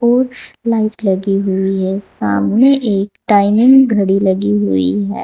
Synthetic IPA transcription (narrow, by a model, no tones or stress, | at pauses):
ɔːɾlaɪflɐɡiɦʊiɦɛːsa̰ːmneʔeːkʈaːɪmɪ̃ŋɡɡʱɐɽilɐɡiɦʊḭɦɛ̰ː